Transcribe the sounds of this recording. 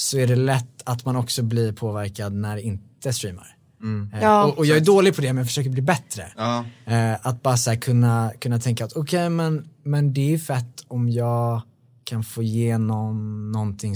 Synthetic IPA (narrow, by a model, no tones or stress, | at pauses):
sɔæɖɛlɛt̪ːat̪manɔksɔbliɾpʰoːvæɾkad̪næɖɛɪnt̪əst̪ɾiːma̰ɾ | ɔʔɔjɑːɡæɖoːlɪɡ̚pʰɔd̪ɛmɛnjɑfə̥ʂøːkəɾbliːbɛt̪ɾə̰ | at̪̚bɑːɾasæːɾkʰɵnːakʰɵnːat̪ʰɛŋkaat̪ɔkʰɛjmɛnmɛnd̪ɛæɾɵfɛt̪ːɔmjɑːɡ | kʰanfoːjeːnɔnːɔnt̪ʰɪŋ